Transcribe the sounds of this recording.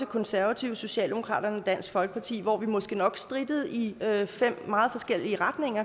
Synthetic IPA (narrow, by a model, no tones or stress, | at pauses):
ekʰɒ̽nsæɐʋæt͡sʰiʊso̝ɕɛ̰ːld̥e̝mo̝kʰʁɑ̰̈ːɾ̥ɐnəɒd̥æn̰sɡ̥fɒ̽lɡ̥ə̥pʰɑ̈t͡sʰḭːʋɒʋimɒ̽sɡ̥ənɒ̽ɡ̥sd̥ʁidəð̞̩ˠifem̰mɑ̈ːð̞̩ˠfɒ̽sɡ̥el̰iəʁäd̥ne̝ŋ̰ɐ